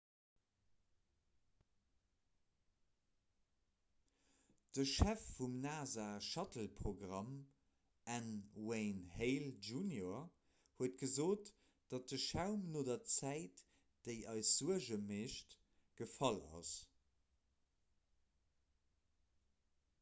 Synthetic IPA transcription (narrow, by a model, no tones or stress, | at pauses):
d̥əʃæfːumnaːzaːʃɑtəlpʁoɡʁɑm | ænweɪnheɪlʒunjoɐ | huət̚ɡ̥əzoːt | d̥ɑt̚dəʃæʊmnoːdɐt͡sæɪt | d̥eɪʔɑɪsz̥uəʒəmeːʃt | ɡ̥əfɑlɑ̰s